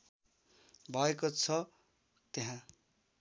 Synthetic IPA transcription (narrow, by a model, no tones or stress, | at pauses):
bʱʌekot͡sʰʌ | t̪eɦã